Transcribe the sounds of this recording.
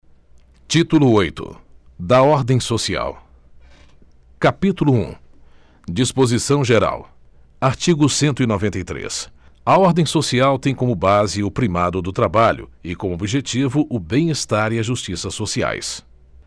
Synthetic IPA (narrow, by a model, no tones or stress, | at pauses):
t͡ʃit̪ulʊojt̪ʊ̰ | d̪ɐɔɾd̪ẽj̃sosia̰w | kapit̪ulʊṵ̃ | d͡ʒispozisɐ̃w̃ʒeɾa̰w | aɾt͡ʃiɡʊsẽnt̪ʊinɔvẽnt̪ejt̪ɾḛs | ɐɔɾd̪ẽj̃sosiawt̪ẽj̃kõmʊbazɪʊpɾimad̪ʊd̪ʊt̪ɾabaʎʊ̰ɪkõmʊobiʒet͡ʃivʊʔʊbẽj̃est̪aɾiɐʒust͡ʃisɐsːosia̰js